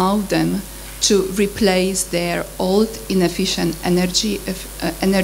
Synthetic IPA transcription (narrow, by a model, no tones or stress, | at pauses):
aʊðɛ̃m | tʰuɹipʰleɪsðɛɹold | ɪ̃nɛfɪʃə̃ntɛnəɹd͡ʒi | ɛnə